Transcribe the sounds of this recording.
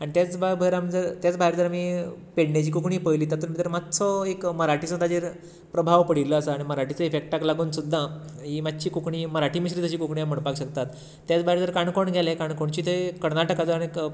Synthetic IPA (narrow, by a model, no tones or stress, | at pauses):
aɽ̃it̪jat͡sbabʱəɾamd͡zəɾt̪jat͡sbʱaɦjɾd͡zəɾamiːpeɽnat͡ɕiːkukɳiːpəjliːt̪at̪əɾmit̪əɾmat̪t͡sɔekməɾaʈisə̃t̪ad͡ʑiɾ | pɾəbʱaʋpəɽiləːsaːɽ̃iməɾaʈit͡səefek̚ʈaklaɡuːnsud̪ʱːaɦiːmad̪̚t͡ɕiːkukɳiːməɾaʈiːməɕɾiːt̪ət͡ɕiːkukɳijam̤əɽpakɕək̚t̪at̪ː | jat͡sbʱaɦjɾd͡zəɾkaɳkoɳɡʱɛlakaɳkoɳt͡ɕiːt̪ʰekəɾnaʈəkat͡səaɽ̃i